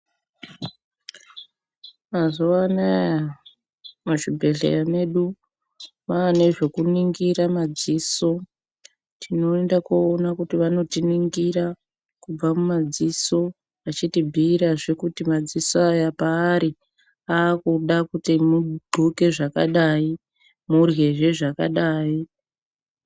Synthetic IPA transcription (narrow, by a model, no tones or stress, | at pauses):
mazoanaja | maʐibʱe̞ɮḛjame̞ɗu | maːneʐe̞kuniŋɡiɾamad͡ziso̞ | tʰino̞endakoːnakutiʋano̞tiniŋɡiɾa | kub͡vamumad͡ziso̞ | ʋat͡ʃitibʱiːɾaʐekutimad͡zisoajapaːɾi | aːkuɗakutimudʱoke̞ʐakaɗai | murɣe̞ʐe̞ʐaka̰ɗaːi